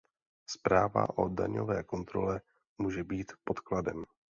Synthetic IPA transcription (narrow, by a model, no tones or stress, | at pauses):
spɾaːva̰ʔo̞̰daɲo̰vɛːko̞nt̪ɾo̞lɛ | muːʒɛbiːt̪po̞t̪kladɛm